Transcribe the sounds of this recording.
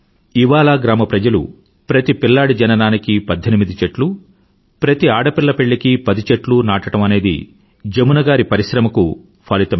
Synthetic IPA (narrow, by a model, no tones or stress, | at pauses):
iʋaːlaːɡɾaːmɐpɾɐd͡ʒɐlṵ | pɾɐt̪ipilːaːɽid͡ʒɐnɐnaːnikipɐd̪ʱːenimid̪it͡ʃeʈlu | pɾɐt̪iaːɽɐpiɭːɐpe̞ɭːikipɐd̪it͡ʃɐʈlunaːʈɐʈɐmɐne̞ːd̪ḭ | d͡ʒemunɐɡaːɾipɐɾiʃɾɐmɐku | pʰaːlit̪ɐm